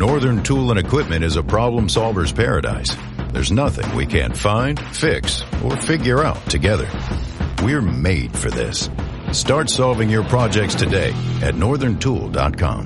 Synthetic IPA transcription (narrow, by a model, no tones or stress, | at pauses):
nɔɹðə̃˞ntʰulˠə̃ɾ̃ɨkʰw̥ɪp̚mɨ̃ɾ̃ɨzəpʰɹ̥ɑblə̃msɑlˠvə˞z̥pʰɛɹɨ̰da̰ɪs | ðə̰˞znʌθɪ̰̃ŋwḭkʰæ̰̃nfãɪ̃nd̥fɪksə̰˞fɪɡjə˞aʊtʰɨɡɛðə̰˞wiəɹmeɪd̥fə̰˞ðɪ̰s | stɑɹtsɑlˠvɪ̃ŋjə˞pʰɹ̥ɑd͡ʒɛk̚tstʰɨdeɪɨ̰tⁿnɔɹðə̃˞ntʰṵlˠdɑ̰t̚kʰɑ̰̃m